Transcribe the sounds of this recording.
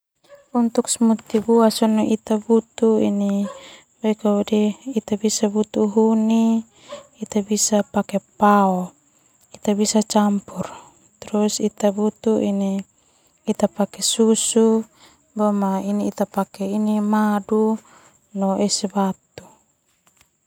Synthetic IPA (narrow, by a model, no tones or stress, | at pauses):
unt̪uksmut̪ibuasɔnɔʔit̪abut̪uḭni | baikawadɛit̪abisabut̪uɦuniː | t̪abisapakepaɔ | it̪abisat͡ʃampur | t̪ɾusit̪abut̪uʔiniː | t̪apakesusu | bɔmainiit̪apakɛinimadu | nɔʔɛsɛbat̪u